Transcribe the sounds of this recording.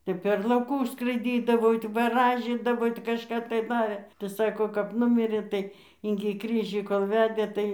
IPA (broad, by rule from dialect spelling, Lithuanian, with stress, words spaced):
ˈtʲɛp pʲɛr lˠɐʊˈkʊs skrɐɪˈdʲiːdɐʋoː ˈɪtɐɪ ʋɐˈrɑːʒʲiːdɐʋoː tʲɪ kɐʃˈkɐ tɐɪ ˈʋɐ tɐɪ ˈsɑːkoː kɐp ˈnʊmʲɪrʲeː ˈtɐɪ ɪŋʲɡʲɪ ˈkrʲiːʒʲiː koːlˠ ˈʋʲæːdʲeː ˈtɐɪ